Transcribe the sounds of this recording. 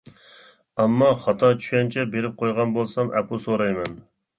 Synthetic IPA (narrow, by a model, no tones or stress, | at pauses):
ɑmːɑχɑt̪ʰɑt͡ʃʰy̥ʃʲɛnt͡ʃʰɛbeɾɪp̚qʰojʁɑnbolˠsɑmʔɛ̰pʰusoɾɑjmɛn